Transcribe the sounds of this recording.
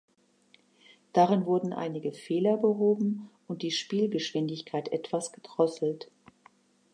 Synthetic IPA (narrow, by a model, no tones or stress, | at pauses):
d̥aʁɪnvʊɐdn̩ʔa̰ɪnɪɡəfeːlɐbəɦoːbm̩ʔʊnt̚d̥iːʃpiːlɡəʃv̥ɪndɪçkʰaɪtʔɛtv̥asɡ̥ədʁ̥ɔsl̩t